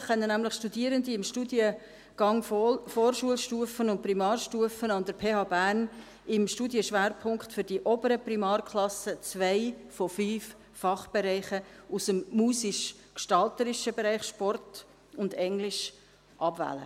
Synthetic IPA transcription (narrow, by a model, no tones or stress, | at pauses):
χœnːənæmlɪχʃtudiəɾəndiɪmʃtudjə | ɡ̥ɑŋfɔːrʃuəlʃtuəfənʊnt̚primɑːrʃtuəfənɑnd̪əɾpʰeːhɑːbæːɾn | ɪmʃtudjəʃʋæːɾpʰʊŋkχtfʏɾdiʔɔbəɾəprimɑːrkʰlɑsət͡svæɪfɔfyːf | fɑχb̥eɾɛɪχəusəmmuːsɪʃ | kʃtɑltəɾɪʃəbɛɾæɪχʃpɔrt | ʊndɛŋlɪʃ | ʔɑbvæ̰ːlə̰